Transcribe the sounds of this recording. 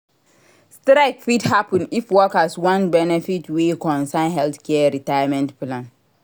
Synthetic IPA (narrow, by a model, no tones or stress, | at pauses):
stɾaɪkfidhapʰə̃nifwɔkaswãnbɛnɛfitwekʰɔ̃nsãnɦɛlθkʰɛɹitajamɛ̃ntplãn